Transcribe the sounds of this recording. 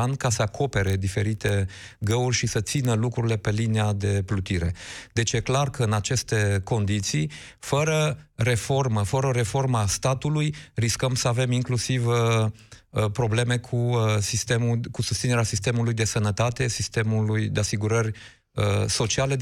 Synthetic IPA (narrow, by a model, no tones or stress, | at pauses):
ankasəakʰo̞pe̞ɾe̞d̪ife̞ɾit̪e̞ | ɡəurʲʃisət̪sinəlukɾuɾile̞pe̞linead̪e̞plut̪iɾe̞d̪e̞t͡ʃje̞klarkəɨnat͡ʃe̞st̪e̞ko̞nd̪it̪si | fəɾəɾe̞fo̞rməfəɾəɾe̞fo̞rmast̪at̪ulujriskəmsəave̞miŋklusivə | pɾo̞ble̞me̞kʰusist̪emukusust̪sineeasist̪e̞mulujd̪e̞sənət̪at̪e̞sist̪e̞mulujd̪easiɡuɾərʲ | əso̞t͡ʃiale̞